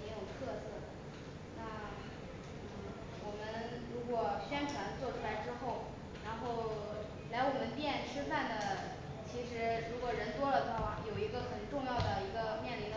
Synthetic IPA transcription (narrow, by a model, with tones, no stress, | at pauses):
e˧˥jo˨˩ʊt̪ʰɤ˥˧sɤ˥˩ | na˥˩ | nn̩˥˩ | wɔ˨˩mə˦˥nɻu˧˥kwɔ˨˩ɕɥɛ˥nʈ͡ʂʰwa˧˥nt͡swɔ˥˩ʈ͡ʂʰu˥la˧˥ɪʈ͡ʂɻ̩˥xo˥˩ʊ | ɻa˧˥nxo˥˩ʊ | la˧˥ɪwɔ˨˩mə˦npjɛ˥˩nʈ͡ʂʰɻ̩˥fa˥˩nd̪ə˩ | t͡ɕʰi˧˥ʂɻ̩˧˥ɻu˧˥kwɔ˨˩ɻə˧˥nt̪wɔ˥lə˨˧wa˥˧wa˥˩jo˨˩ʊi˧˥ɡə˧xə˨˩nnʈ͡ʂʊ˥˧ŋjɑ˥˩ʊd̪ə˩i˧˥ɡə˧mjɛ˥˩nli˧˥nd̪ə˧